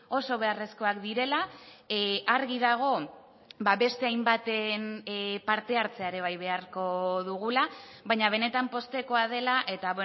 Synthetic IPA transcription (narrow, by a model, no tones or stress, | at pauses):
o̞so̞β̞e̞are̞sko̞akd̪iɾe̞la | ʔaɾɣið̞aɣ̞o̞ | baβe̞st̪e̞ajmbat̪enpaɾt̪e̞aɾt͡se̞aeɾe̞β̞ajβ̞e̞aɾko̞ðuɣ̞ulaβajɲaβ̞e̞ne̞t̪ampo̞st̪e̞ko̞að̞e̞laʔe̞t̪aβwe